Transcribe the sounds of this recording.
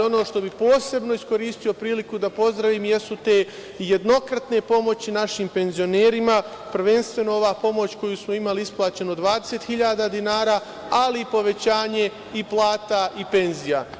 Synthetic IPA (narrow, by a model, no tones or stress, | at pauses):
o̞no̞ːʃt̪o̞bipo̞ːse̞bno̞isko̞ɾiːst̪io̞pɾiːlikud̪apo̞zd̪ɾaʋiːmje̞sut̪e̞ | je̞d̪no̞kɾat̪ne̞po̞mo̞t͡ɕinaʃiːmpe̞nzio̞neːɾima | pɾʋe̞nst̪ʋe̞noo̞ʋaːpo̞mo̞t͡ɕko̞jusmo̞imaliisplˠaːt͡ɕe̞nod̪ʋaːd̪eset̪xiʎaːd̪aːd̪inaːɾaː | aliːpo̞ʋe̞t͡ɕaːɲe̞ | iplˠaːt̪aʔipe̞nzija